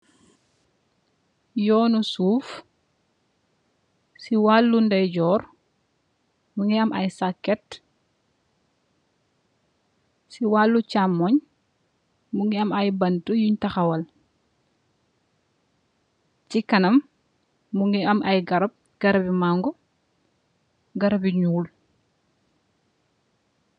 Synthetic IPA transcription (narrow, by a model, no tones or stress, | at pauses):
jɔːnusuːf | siwalːundɐjɟɔːɾ | muŋɡiɐmʔɐjsakːɛt | siwalːut͡ʃamːɔɲ | muŋɡiɐmɐjbɐntujuɲtɐxɐwɐl | cikɐnɐmː | uŋɡiɐmʔɐjɡɐɾɐp̚ | ɡ̥ɐɾɐbimaŋɡɔ | ɡɐɾɐbiɲuːl